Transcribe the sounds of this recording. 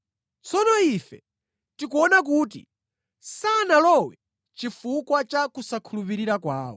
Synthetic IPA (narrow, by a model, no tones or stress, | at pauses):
t͡sɔnɔifɛ | tikuɔnak̬uːt̬ḭ | sanalɔwɛ | t͡ʃifukwat͡ʃakusakʰulupiɾiɾakwaːwɔ̰